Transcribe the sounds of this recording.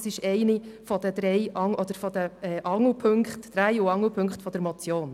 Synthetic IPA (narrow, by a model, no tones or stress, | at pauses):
sɪʃɛɪnifɔd̥əd̪̥ɾɛɪʔɑŋʔɔd̥̪əɾfɔd̥əɛːʔɑŋəpʰɵŋkχtd̥ɾæɪuɑŋːəpʰɵŋkχtfɔd̥əɾmɔt͡sjoːn